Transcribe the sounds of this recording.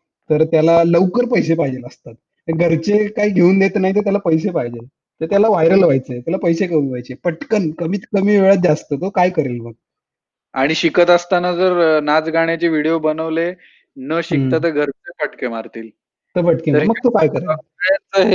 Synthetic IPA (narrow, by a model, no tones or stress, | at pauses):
t̪əɾt̪jalaləʋkəɾpəjsepajd͡ʑeləst̪at̪̚ | əɡʱəɾt͡ɕekaiːɡʱeuːnd̪et̪ːnaɦit̪̬əɾt̪jalapəjs̬epajd͡ʑel | t̪əɾt̪jalaʋajɾəlʋajt͡sət̪jalapəjseɡʱeuːnʋajt͡ɕepəʈkənkəmiːt̪kəmiːʋeɭat̪̚d͡ʑast̪ət̪okajkəɾelməɡ̚ | aɽ̃iɕikət̪əst̪anad͡zəɾnad͡zɡʱaɽ̃jat͡ɕeʋiɽijobənəʋle | nəɕik̚t̪at̪əɡʱəɾt͡səpəʈkemaɾt̪iːl | t̪əpəʈkeaməɡ̚t̪okajkəɾeat͡səɦe